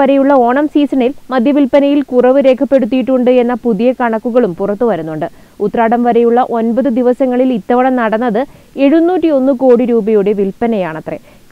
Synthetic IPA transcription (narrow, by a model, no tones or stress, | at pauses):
ɐɾejuɭːɐo̞ːɳɐmsiːsɐɳilmɐd̪ʱjɐʋilpɐnɐjilkurɐʋɨɾe̞ːkʰɐpːeɽut̪̬ːijiʈːuɳɖɨe̞nːɐpuðijɐkɐɳɐkːuɣɐɭumpurɐt̪ːɨʋɐɾunːuɳɖɨ | ut̪ːɐraːɽɐmʋɐɾejuɭːɐʔo̞nbɐðɨd̪iʋɐsɐŋːɐɭilit̪ːɐʋɐɳɐmnɐɽɐnːɐðɨ | e̞ɻunːuːtːio̞nːɨko̞ːɽiɾuːbɐjuɽe̞ʋilpɐnɐjaːɳɐt̪re̞̰ | k